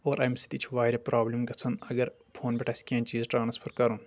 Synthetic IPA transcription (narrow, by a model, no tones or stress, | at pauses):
oːɾʔɐmsi̥t̪it͡ʃʰʋaːiɾʲɐpɾaːblimɡɐt͡sʰɐnɐɡɐɾ | pʰoːnbʲeʈɐsʲkʲiãːnt͡ʃiːzʈaːnɐspʰɐɾkɐɾun